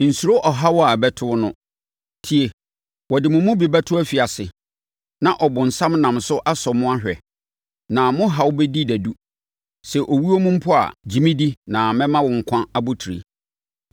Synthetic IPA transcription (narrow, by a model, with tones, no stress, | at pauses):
n̩˨su˨ɾo˦ʔɔ˨ɦa˦wɔ˦a˨bɛ˦tʰʊ˦nʊ̃˦ | tʰi˨e˨ | wɔ˨dɪ˨mʊ̃˨mʊ̃˦bi˨bɛ˦tʰʊ˦æ˦fi˨a˨sɪ˨ | nã˨ʔɔ˨bʊ̃˨n̩˨sã˦mnã˨msʊ˦ʔa˦sɔ˨mʊ̃˦a˦ɦᶣɛ̰˨ | nã˨mʊ̃˦ɦa˨wʊ˦bɛ˦di˦dæ˨du˦ | sɛ˨ʔo˨wi˦o˦mʊ̃˦m̩˦pʰʊ˦a̰˨d͡ʑĩ˨mĩ˦di˦nã˨mɛ̃˦mã˦wʊ̃˨ŋ̩˨kʷʰã˦a˨bʊ˦tʰi˨ɾḭ˨